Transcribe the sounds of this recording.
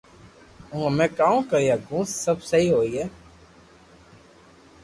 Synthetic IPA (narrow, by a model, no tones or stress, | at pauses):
ũːɦəmẽːkaːũːkəɾijaːɡũːssəbsəɦiːɦoːiːɦɛː